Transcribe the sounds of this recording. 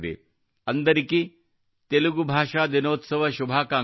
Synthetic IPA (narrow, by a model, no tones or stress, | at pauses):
d̪ḛ | ɐnd̪ɐɾikːi | t̪eluɡubʱaːʂaːd̪inoːt̪sɐʋɐʃubʱaːkaː